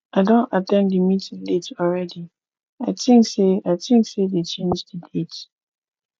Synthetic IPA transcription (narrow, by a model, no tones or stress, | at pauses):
aɪdõntatɛ̃ndəmitĩŋletʰɔlɹɛdi | aɪtĩŋkseaɪtĩŋksedet͡ʃẽnd͡ʒdədet